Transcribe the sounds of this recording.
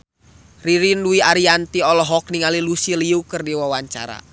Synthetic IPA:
riɾinluiaɾiant̪iɔlɔɦɔk̚niŋalilusiliukərdiwawaɲt͡ʃa̰ɾa̰

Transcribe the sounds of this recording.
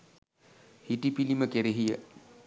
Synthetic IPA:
hiʈipiliməkeɾeɦijə

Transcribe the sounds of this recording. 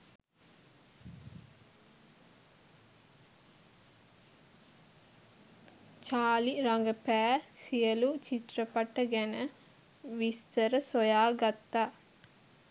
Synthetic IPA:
t͡ʃaːliɾaŋɡəpæːsijəlut͡ʃit̪rəpaʈːəɡɛnə | ʋist̪əɾəsojaːɡat̪ːa

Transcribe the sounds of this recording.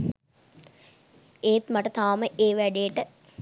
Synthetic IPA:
eːt̪maʈət̪aːməʔeːʋæɖejəʈə

